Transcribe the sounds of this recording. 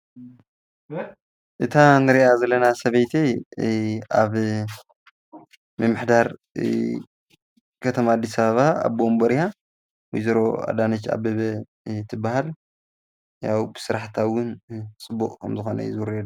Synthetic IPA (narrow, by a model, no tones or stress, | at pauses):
ʔɨt̪ʰanɨɾiʔazɐlːɐnasɐβɐjt̪ʰe | aβ | mɨmːɨħd̪aɾ | kʰɐt̪ʰɐmaːd̪ːisɐβaβaa̰βbombɐɾija | wijzɐɾo̞a̰d̪anɐt͡ʃːa̰bɐβɐ | t̪ʰɨbːahal | jawbɨsɨɾaħt̪ʰawʊnt͡sʼɨbːukʼkʰɐmzɨxo̞nɐ̰zɨwɾed̪